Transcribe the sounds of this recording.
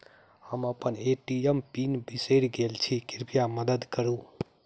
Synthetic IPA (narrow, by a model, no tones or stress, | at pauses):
həməpəneʈiəmpinbisəɪɾɡelt͡ʃʰikiɾpijaməd̪əd̪kəɾu